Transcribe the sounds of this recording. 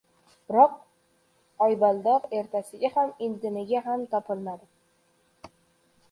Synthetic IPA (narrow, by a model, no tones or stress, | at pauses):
b̥ɪɾɒq̚ | ɒjbalˠd̪ɒɾe̞ɾt̪ʰasɪɡʲahamɪnd̪ɪnɪɡʲaɦamt̪ʰɒpʰɪlmad̪ɪ